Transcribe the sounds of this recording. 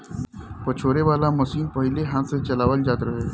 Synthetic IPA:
pɐt͡ʃʰoːɾeʋaːlamɐsiːnpɐɦɪleɦãset͡ʃɐlaːʋəld͡ʒaːt̪ɾɐɦeː

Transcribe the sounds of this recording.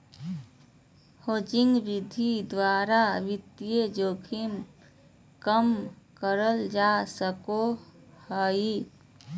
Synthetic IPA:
hod͡ʒiŋɡbid̪ʱid̪waɾaʋit̪ijed͡ʒokʰim | kəmkəɾəld͡ʒasəkohəji

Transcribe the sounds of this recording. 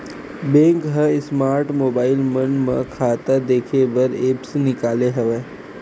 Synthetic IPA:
bẽːŋkɦə̃ɪsmaːɾʈmoːbaːɪlmɐnmə̰̃kʰaːt̪əd̪eːkʰebɐɾeːpsnɪkaːleɦɛʋeː

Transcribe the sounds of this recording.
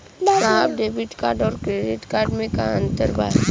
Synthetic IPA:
sapɖebiʈkaːɾɖɔːɾkɾeɖiʈkaːɾɖmẽkaə̃nt̪əɾba̰ː

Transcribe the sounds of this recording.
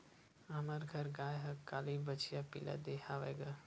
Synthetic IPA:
ɐməɾɡʱɐɾɡaːjɦɐkaːlibət͡ʃijapḭla̰d̪eːhaʋeːɡa

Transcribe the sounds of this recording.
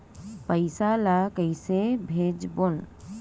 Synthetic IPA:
pəɪsalakəisebʱeːd͡ʒbon

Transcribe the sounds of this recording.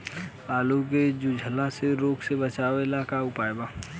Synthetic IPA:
aːluk̬ed͡ʒʊd͡ʒʱəlãseɾoːksebət͡ʃaːʋeɪlaːkaʊpaːjbaː

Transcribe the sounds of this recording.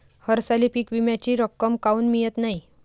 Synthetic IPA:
həɾsalipiːkʋimjat͡ɕiːɾəkːəmkauːnmijət̪nai

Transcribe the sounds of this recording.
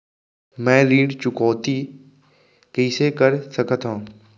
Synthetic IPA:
mɛ̃ːlĩːɖt͡ʃʊkoːt̪i | kəɪsekəɾsəkət̪ãː

